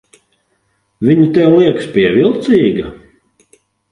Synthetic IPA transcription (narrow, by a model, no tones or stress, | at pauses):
vʲiɲut̪ɛwlˠiɛkspʲiɛvilˠt̪siːɡɐ